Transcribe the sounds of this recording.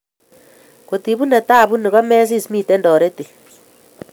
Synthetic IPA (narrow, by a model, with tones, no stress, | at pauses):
ko˨ti˨βu˦ne˨ta˦˨βu˦ni˨ɣɔ˦meː˦s̬i˦˨smiː˦˨te˦ndɔ˨ɾe˦ti˨